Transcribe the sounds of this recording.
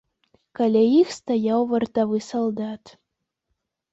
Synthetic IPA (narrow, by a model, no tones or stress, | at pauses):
kalʲɛixst̪ajɑwvɐrt̪avɨsɔlˠd̪ɑt̪